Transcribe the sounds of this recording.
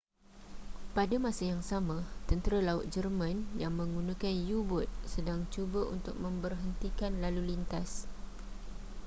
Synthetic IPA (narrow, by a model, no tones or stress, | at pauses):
padamãsajaŋsamãt̪ənt̪əɾalaʊt̪̚d͡ʒərmãnjaŋmə̃ŋɡunãkanjubʊt̪̚sədaŋt͡ʃubaʔṵnt̪ʊk̚mə̃mbərɦənt̪ikanlalulint̪as